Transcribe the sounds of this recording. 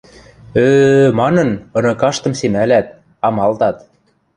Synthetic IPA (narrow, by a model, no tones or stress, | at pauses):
ømɑnɤ̆nɤ̆nɤ̆kɑʃt̪ɤ̆msemælæt̪̚ | ɑmɑlt̪ɑt̪